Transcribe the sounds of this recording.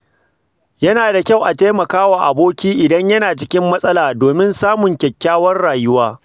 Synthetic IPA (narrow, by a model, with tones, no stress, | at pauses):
jɐ˦naː˨da˨kʲa˦˨wʔa˨taː˦mɐ˨kaː˦waː˨ʔa̰˨boː˦kʲiː˦ʔɪ˨dɐ˦ɲjɐ˦naː˨t͡ʃɪ˦kʲɪ˦mːɐ˦sʼɐ˦laː˨doː˨mɪ˦nsaː˦mʊ˨ŋkʲɛ˨kʲːaː˦wɐ˦rɽaː˨jʊ˦waː˦